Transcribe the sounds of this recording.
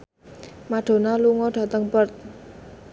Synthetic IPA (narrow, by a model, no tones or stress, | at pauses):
maɖ̥o̤naluŋɔɖ̥a̤t̪əŋpərt̪̚